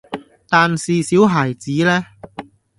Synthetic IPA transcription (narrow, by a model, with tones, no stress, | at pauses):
t̪aː˨nsiː˨siː˨˥wɦaː˨˩jt͡siː˨˥lɛː˥